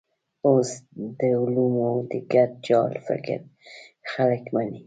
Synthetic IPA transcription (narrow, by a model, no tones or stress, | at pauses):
osd̪əʊlumod̪əɡat̪̚d͡ʒɑlfɪ̰kɪ̰ɾxaləkmani